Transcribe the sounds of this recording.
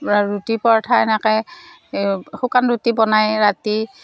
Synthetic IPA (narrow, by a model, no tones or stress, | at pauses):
ɹutipɔɹtʰajnakɛj | xukanɹutibɔnajɹati